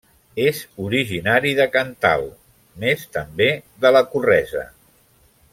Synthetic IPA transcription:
ezuɾiʒinaɾiðəkənt̪a̰lˠ | mest̪əmbeðələkurɛzə̰

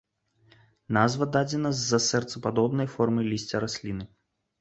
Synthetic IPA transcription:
nazvɐd̪ad͡zʲɛnɐzːɐsɛrt̪sɐpad̪ɔbn̪ɐjfɔrmɨlʲisʲt͡sʲɐɾasʲlʲinɨ

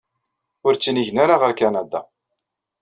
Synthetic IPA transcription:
ʊɾt͡sːiniʝnaɾaʁəɾkænæd̪a̰

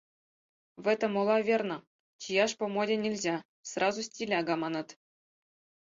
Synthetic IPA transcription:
vɘt̪ɤ̆molˠɑvʲernɤ̆ | t͡ɕijɑʂpŏmodʲenʲilʲzʲæ | srʔɑzusʲtʲilʲæɡɑmɑnɤ̆t̪

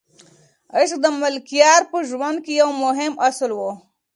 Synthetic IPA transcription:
əʃk̚d̪əmɪlkijɑːɾpəʒwand̪̚kejawmʊɦɪmaslwo

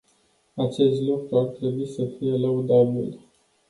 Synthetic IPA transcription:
at͡ʃe̞st̪lukɾuart̪ɾe̞buisəfijelaud̪abḭl

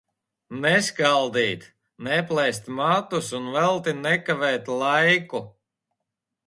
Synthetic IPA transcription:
nɛskalˠd̪iːt̪ | nɛplˠɛjst̪mat̪usunvɛlˠt̪inɛkavɛːt̪lˠajku

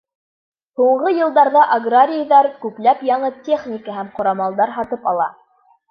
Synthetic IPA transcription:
huɴʁɤjɤ̆lˠd̪ɑɾðɑʔaɡraɾʲɪjðɑɾkʉkl̪æpjɑɴɤtʲe̞χnʲɪkəɦæmqŏɾɑmɑlˠd̪ɑɾɦɑt̪ɤpɑlˠɑ̰

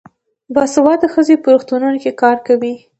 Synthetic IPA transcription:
bɑsawɑd̪əxəzepəɾuxt̪ununokekɑɾkawi

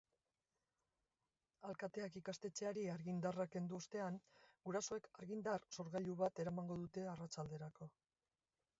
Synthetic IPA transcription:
alkat̪e̞akikast̪e̞t͡se̞aɾiaɾɣind̪arake̞nd̪uost̪e̞aŋɡuɾaso̞e̞kaɾɣind̪arso̞ɾɣaʎuβat̪e̞ɾamaŋɡo̞ðut̪e̞arat͡ʃald̪e̞ɾako̞

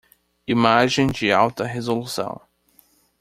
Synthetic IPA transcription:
imaʒẽj̃d͡ʒɪawt̪ɐɦezolusɐ̰̃w̃

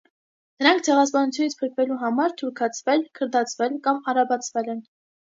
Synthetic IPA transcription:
nəɾɑŋk̚ʰt͡sʰɛʁɑspɑnut͡sʰjunit͡sʰpʰəɾkʰvɛluɦɑmɑɾt̪ʰuɾkʰɑt͡sʰvɛlkʰəɾd̪ɑt͡sʰvɛlkɑmɑɾɑbɑt͡sʰvɛlɛn

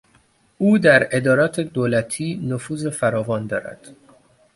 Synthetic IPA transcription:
ʔuːd̪æɾe̞d̪ɒːɾɒːt̪ʰed̪oːlæt̪ʰiːnofuːze̞fæɾɒːvɒːnd̪ɒ̰ːɾæ̰d̪̥

